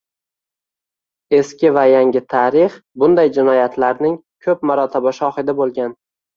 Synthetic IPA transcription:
e̞skʲɪvajaŋʲɪt̪ʰaɾɪχbʊnd̪ajd͡ʒɪnɒjat̪ʰlaɾnɪŋ | kʰɵp̚maɾɒt̪ʰabaʃɒhɪd̪abolˠɡʲan

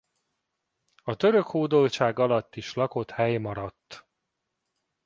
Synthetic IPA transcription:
ɒt̪ø̞ɾø̞khoːd̪olt͡ʃaːɡɒlɒt̪ːiʃlɒko̞t̪hɛjmɒɾɒt̪ː

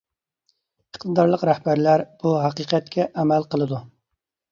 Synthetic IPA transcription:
əqt̪ʰɨd̪ɑɾlˠəqɾɛhbæɾlæɾb̥uɦɑqiqɛt̪̚kʲʰɛʔɛmælqəlˠɨd̪u

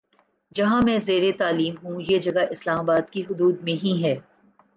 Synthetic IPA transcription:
d͡ʒɐɦãmɛ̃ːzeːɾet̪aːliːmɦũjeːd͡ʒɐɡaʔɪslaːmaːbaːd̪kiɦʊd̪uːd̪mẽɦĩɦɛː

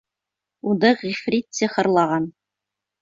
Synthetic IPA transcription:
und̪ɤʁifɾʲit̪sʲiχɤ̆ɾlˠɑʁɑn

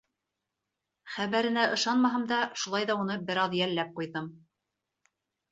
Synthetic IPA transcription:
χæβæɾɘ̆næʔɤ̆ʃɑnmɑɦɤ̆md̪ɑʃulˠɑjðɑunɤbɘ̆ɾɑðjælːæp̚qujðɤm

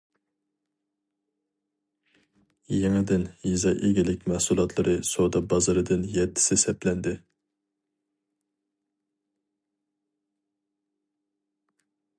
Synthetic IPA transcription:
jeŋɪd̪ɪnjizɑʔeɡʲilɪk̚ʲmæhsulˠɑt̪ʰlˠɨɾʔɨsod̪ɑbɑzɨɾɨd̪ɨnjɛt̪ʰːɪ̥sɪsɛplɛnd̪ɪ

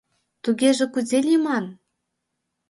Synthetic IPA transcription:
t̪uɣeʒĕkuzelʲimɑn

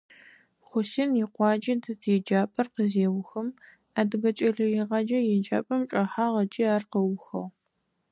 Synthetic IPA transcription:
χʷʊsinjiqʷɑːd͡ʒʼɐdɨtʰɛd͡ʒaːpʼɐrqəzeːwʊxɐm | aːdɨɣɐt͡ʃʼɐɮɨiʁɐd͡ʒɐjɛd͡ʒa̰ːpʼɐmt͡ʃʼɐħaːʁɐt͡ʃʼiːaːrqəwʊxɐ̰ʁ

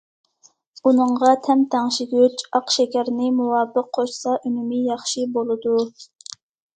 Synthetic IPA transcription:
unɨɴʁɑt̪ʰɛmt̪ʰæŋʃiɡʲøt͡ʃɑqʃɛkʲæɾnɪmuwɑːbəqʰːoʃsɑʔymumijɑχʃibolˠɨd̪u

